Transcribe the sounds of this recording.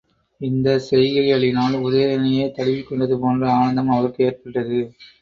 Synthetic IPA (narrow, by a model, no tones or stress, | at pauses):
ɪnd̪ɐsɛjɣɐɾɪɣɐɭɪnaːɭʊðeːɾɐnɐjeːt̪ɐɭɪʋɪkːɔɳɖɐðɯpoːndrɐaːnɐnd̪ɐmɐʋɐɾkɯeːrpɐʈːɐðɯ